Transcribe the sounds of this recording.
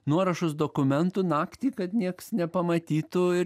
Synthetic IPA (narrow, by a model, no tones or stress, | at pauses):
nuɔɾɐʃʊs̬d̪oːkʊmʲɛnt̪uːnɑːkt̪ʲiːkɐt̪nʲiɛksnʲɛpɐmɐt̪ʲiːt̪ʊɪ